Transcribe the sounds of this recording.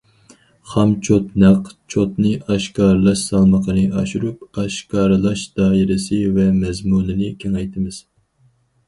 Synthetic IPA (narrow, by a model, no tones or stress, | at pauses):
χɑmt͡ʃʰot̪næqt͡ʃʰot̪nɨʔɑʃkɑːɾɨlˠɑʃsɑlˠməqʰənɨɑʃuɾup̚ɑʃkɑːɾɨlˠɑʃd̪̥ɑːiɾɪsɨvɛmɛzmunɨnɪkʲʰeŋɛjt̪ʰɪmɪz̥